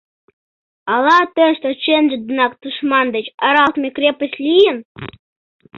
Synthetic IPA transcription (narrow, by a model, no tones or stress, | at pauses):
ɑlɑt̪əʃt̪ot͡ɕenʒə̆d̪ənɑkd̪̥uʃmɑnd̪ət͡ɕɑɾɑlt̪mʲekɾʲepəsʲlʲijən